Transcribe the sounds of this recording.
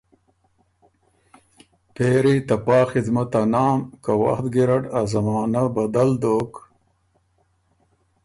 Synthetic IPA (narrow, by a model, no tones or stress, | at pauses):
peːɾit̪ɐpɑːxid̪mat̪anɑːmkawa̰xt̪ɡiɾaʈazɐmaːnabɐd̪ald̪oːk